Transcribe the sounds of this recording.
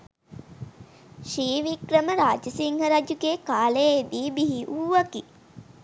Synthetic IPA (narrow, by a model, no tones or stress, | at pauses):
ʃiːʋikɾəməɾaːd͡ʒəsiŋhəɾad͡ʒuɡeːkaːlejəid̪iːbiɦiʔuːʋaki